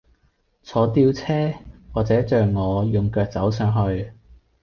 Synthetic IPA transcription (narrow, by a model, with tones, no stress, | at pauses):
t͡sʰɔː˨˥t̪iː˧wt͡sʰɛː˥waː˨k̚t͡sɛː˨˥t͡ʃœː˨ŋːɔː˨˧jʊ˨ŋkœː˨˧k̚t͡sɐ˨˥ws̬œː˨˥ŋɦɵ˧ɥ